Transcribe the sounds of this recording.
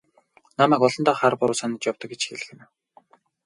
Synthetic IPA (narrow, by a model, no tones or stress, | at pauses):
namæːkɔɮɞ̆nt̪ɔːχarpʊɾʊːsanĭt͡ɕjawt̪ɞ̆k̚ɡet͡ɕxeɮɘ̆xɘ̆n